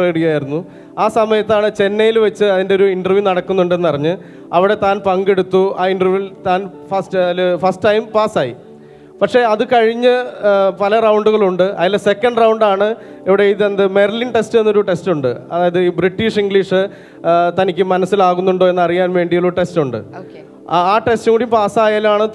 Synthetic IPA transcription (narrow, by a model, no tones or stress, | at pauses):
eɽijaːjiɾunːu | aːsɐmɐjɐt̪ːaːɳɨt͡ɕe̞nːɐjilʋɐt͡ɕːɨɐðinde̞oɾuinɖɐrʋjunɐɽɐkːunːuɳɖe̞nːɨɐrɐɲːɨ | ɐʋiɽe̞t̪aːnpɐŋɡe̞ɽut̪ːuaːiɳɖɐrjuilt̪aːn | fɐstlfɐsʈʈɐjmpaːsaːjḭ | pɐkʂe̞ɐðɨkɐɻiɲːɨpɐlɐrɐwɳɖuɣɐɭuɳɖɨʔɐ̰ðilːesekːɐɳɖrɐwɳɖaːɳɨ | eʋiɽeiðend̪ɨmerlinʈe̞stɨenːo̞ɾuʈe̞stuɳɖɨɐ̰ðaːjɐðɨiːbriʈːiːʂiŋɡɭiʂɨ | t̪ɐnikʲːɨmɐnɐsːilaːɣunːuɳɖo̞ːenːɐrijaːnʋe̞ːɳɖijoɭuʈe̞stuɳɖɨ̰ok | aːʈe̞stɨkuːɽiumpaːsaːjaːlaːɳɨ